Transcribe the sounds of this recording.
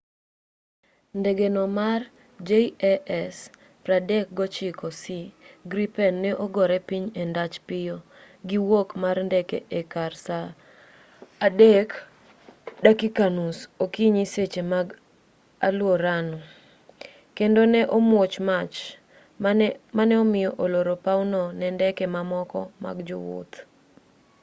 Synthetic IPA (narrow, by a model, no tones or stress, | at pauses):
ndeɡenɔmar | d͡ʒeiɛɛs | pɾadɛk̚ɡɔt͡ʃɪkɔsiɡɾipɛnːɛʔoɡɔɾɛpiɲendat͡ʃpɪjo | ɡiwokmarndɛkɛʔekarsa | dek | dakikanusokiɲiset͡ʃemaɡ | a̰lwoɾanɔ | kendonɛʔomwot͡ʃmat͡ʃ | manɛɔmɪjɔʔoloɾopaunɔnɛndɛkɛmamɔkɔ̰ma̰ɡd͡ʒʊwʊ̰t̪